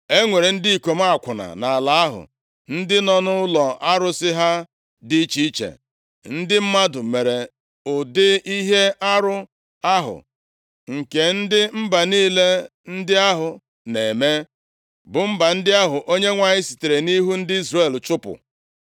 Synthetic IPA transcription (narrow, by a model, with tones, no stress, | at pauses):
e˦ŋʷe˨ɾe˨n̩˦di˦i˨ko˨m̩˦a˨kʷʊ˨na̰˨na˨a˨la˨a˦ɦʊ̰˨ | n̩˦dɪ˦nɔ˦nʊ˦lɔ˨a˦ɾʊ˦sɪ˦ɦa˦ | dɪ˦t͡ʃi˦i˦t͡ʃḛ˨ | n̩˦dɪ˦m̩˦ma˦dʊ˨me˨ɾe˨ | ʊ˨dɪ˦i˦ɦe˦a˦ɾʊ˦ | a˦ɦʊ̰˨ | ŋ̩˨ke˨n̩˦dɪ˦m̩˦ba˨niː˦le˦n̩˦dɪ˦a˦ɦʊ˨ | ne˨me˦ | bʊ˨m̩˦ba˨n̩˦dɪ˦a˦ɦʊ˨ʔo˦ɲe˦ŋʷa˨ɲɪ˦si̥˨te˨ɾe˨ni˦ɦu˦n̩˦dɪ˦i˦zrae˦˨l̩˨t͡ʃʊ˦pʊ̰˨